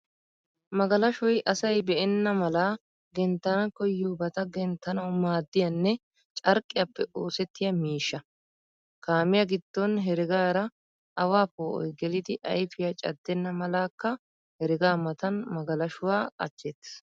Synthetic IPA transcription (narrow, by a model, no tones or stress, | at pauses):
mɐɡɐlɐʃɔjʔɐsɐjbɛʔɛnːɐmɐla | ɡɛnt̪ːɐnɐkɔjːuːbɐt̪ɐɡɛnt̪ːɐnɐwʊmaːd̪ːɪjɐnːɛ | t͡ʃʼɐɾkʼːɪjɐpːɛʔoːsɛt̪ːɪjɐmiːʃːɐ | kaːmɪjɐɡɪd̪̥ːɔnɦɛɾɪɡaːɾɐ | ʔɐwaːpoːʔɔ̰jɡɛlɪd̪ɪʔɐ̰jfɪjɐt͡ʃʼɐ̰d̪ːɛnːɐmɐlaːkːɐ | hɛɾɪɡaːmɐt̪ɐnmɐɡɐlɐʃʊwaːkʼɐ̰t͡ʃːɛt̪ːɪ̥s